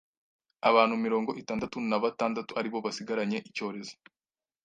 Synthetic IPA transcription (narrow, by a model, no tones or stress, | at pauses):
aβaːnhumiɾo̞ːŋɡo̞ʔitaːndatunaβataːndatuaɾiβo̞βasiɡaɾaɲe̞ʔico̞ːɾe̞zo